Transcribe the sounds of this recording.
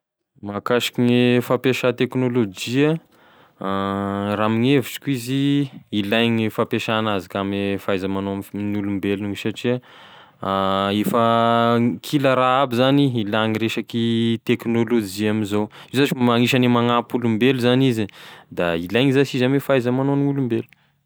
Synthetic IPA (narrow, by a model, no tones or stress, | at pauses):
makaʃi̥kiɲifapeʃat̪eknolod͡ʒia | raːmiŋeviʈ͡ʂi̥kʲuiziːlajŋifapeʃanazakamifajzamanoamnulumbeluɲisaʈ͡ʂia | efə | kʰiləɾaabizaniilaŋiɾeʃakit̪eknolod͡ʒiaminzow | izaʈ͡ʂimaŋiʃanimaŋapulumbeluzanizid̪ailajŋizasizamefajzamanoniulumbelu̥